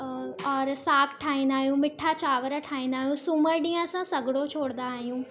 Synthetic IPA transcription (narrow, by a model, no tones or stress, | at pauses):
ɔːɾsaːkʰʈʰaːĩːnd̪aːɦijũmɪʈʰːat͡ɕaːʋəɾʈʰaːĩːn̆d̪aːɦijũsʊməɾɗĩːə̃sãsɐɡɽot͡ʃʰoːɽnd̪aːɦijũː